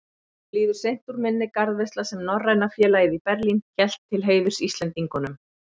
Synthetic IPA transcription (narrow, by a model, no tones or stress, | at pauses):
liːðʏɾ̥sejn̥t̪uɾmɪnːɪkaɾðvejst̪lasɛmnɔrrːajnafjɛːlajɪðipɛɾlinçɛl̥t̪ʰːɪlɦeːjðʏɾ̥sist̪lɛnt̪iŋkʏnʏm